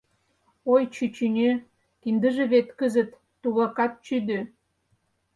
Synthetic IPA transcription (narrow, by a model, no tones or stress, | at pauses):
ojt͡ɕyt͡ɕynʲø | kind̪ə̆ʒĕβet̪kəzə̆t̪ːuβɑkɑt̪̚t͡ɕyd̪ø